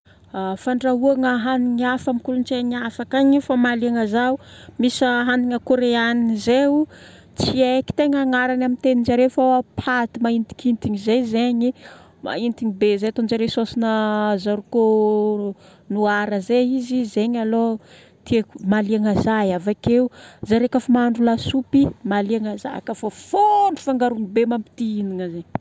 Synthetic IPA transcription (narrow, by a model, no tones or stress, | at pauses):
afaɳɖ͡ʐauaŋaɦaniɲiafamikulunt͡ʃeɲafakaɲifamaliaŋazaumisaɦaniŋəkoɾeaniizeu | t͡sieki̥t̪eŋəŋaɾanamint̪enind͡ʒaɾefoapʰat̪imaint̪i̥kint̪iŋizejzeɲi | ma̰int̪iŋibezajat̪ond͡ʒaɾewsosinəzaɾuko | nuaɾəzeizizeɲalo | t̪iekmaliaŋazajavakeuzaɾekafamaɳɖ͡ʐulasupimaliaŋaza̰kəfafoɳufaŋɡaɾuŋibemampi̥t̪iiniŋəze